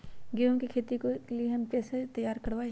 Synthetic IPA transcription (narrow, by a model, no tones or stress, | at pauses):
ɡɪõkikʰeːt̪ikolieɦɐmpɛːset̪ɐjːaːɾkɐɾʋaːe